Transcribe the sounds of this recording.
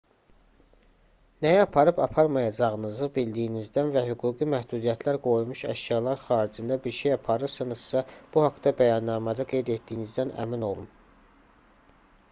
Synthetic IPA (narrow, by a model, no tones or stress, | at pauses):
næjæɑpʰɑɾɯbɑpʰɑɾmɑjɑd͡ʒɑʁɯnɯzɯbild̪ijinizd̪ænvæɦyɡuːɡimæhd̪uːd̪ijæt̪ʰlæɾɡo̞jumuʃæ̰ʃjɑlˠɑɾxɑːɾid͡ʒind̪æbiɾʃe̞jɑpʰɑɾɯɾsɯnɯz̥sɑb̥uhɑkd̪ɑbæjɑnːɑːmæd̪ɑɡe̞jd̪et̪̚d̪ijnizd̪ænʔæ̰mino̞lˠum